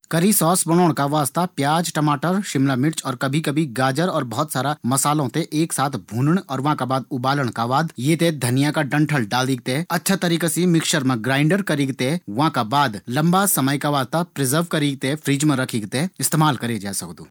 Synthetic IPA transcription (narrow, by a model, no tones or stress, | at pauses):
kɐɾisɔːsbɐnoːɽ̃kaʋaːzt̪apjaːd͡ʒʈɐmaːʈəɾʃɪmlamɪʈt͡ʃɔːɾkɐbʱikɐbʱiɡaːd͡ʒəɾɔːɾbɐɦːɔt̪saːɾamɐsaːlõt̪eʔeːksaːt̪ʰbʱũːnəɽ̃ɔːɾʋɐ̃kabaːd̪̚ʊbaːləɽ̃kaʋaːd̪jeːt̪ed̪ʱɐnijakaɖɐ̃ɳʈʰəlɖaːld̪iːɡ̚t̪eɦɐtːʃʰat̪ɐɾiːkasimɪkʃəɾmẽɡɾaːɪ̃ɳɖəɾkɐɾiːɡt̪eɦʋɐɦãkabaːd̪lɐ̃mbasɐməjkaʋaːzt̪apɾɪzəɾʋkɐɾiːɡ̚t̪efʰɾiːd͡ʒmẽɾɐkʰiːɡt̪eɪst̪eːmaːlkɐɾed͡ʒaːsɐkd̪ṵː